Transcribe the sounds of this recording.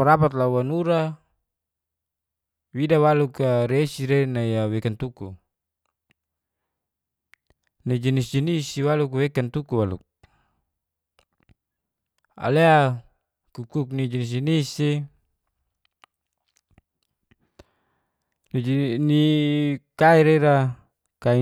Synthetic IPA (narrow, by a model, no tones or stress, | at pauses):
paɾapat̪lawanuɾa | widawalukaɾesiɾenajawekant̪uku | nid͡ʒinisd͡ʒinisiwaluk̬wekant̪ukuwalṵk̚ | a̰lea | kukuk̚nid͡ʒinis̬d͡ʒinisi | ni | kaiɾeɾa | kai